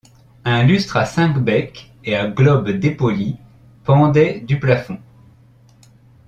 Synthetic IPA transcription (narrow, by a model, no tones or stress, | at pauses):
ɛ̃lyst̪χasɛ̃kbɛk | eaɡlɔbd̪epɔli | pɑ̃d̪ɛd̪yplafɔ̃